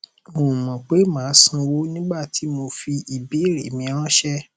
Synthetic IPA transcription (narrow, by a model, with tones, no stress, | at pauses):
mo˨mɔ̃˨k͡pe˨˦mãː˨˦sũ˧wo˦nĩ˦ɡ͡ba˦˨ti˨˦mo˧fi˧ʔi˨bi˨˦˨ɾḛ˨mĩ˧ã˦ʃɛ˦